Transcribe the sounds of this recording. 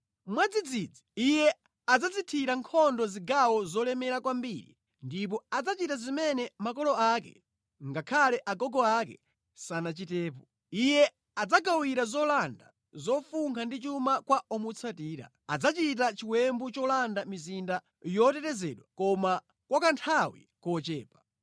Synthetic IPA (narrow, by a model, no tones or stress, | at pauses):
mwad͡zid͡zid͡ziijɛ | ad͡zat͡sitʰiɾaŋkʰɔndɔziɡawɔzɔlɛmɛɾakwambiɾḭ | ndip̬ɔad͡zat͡ʃitazimɛnɛmakɔlɔakɛ̰ | ŋɡakʰalɛʔaɡɔɡɔakɛ̰ | sanat͡ʃitɛːpɔ | ijɛ | ad͡zak̬awiɾazɔlanda̰ | zɔfuŋɡʰandit͡ʃumakwaɔmut͡sʰatiːɾa̰ | ad͡zat͡ʃit̬at͡ʃiwɛmbut͡ʃɔlandamizinda | jɔtɛtɛzɛɗwakɔma | kwakantʰawḭ | kɔt͡ʃɛ̰ːpḁ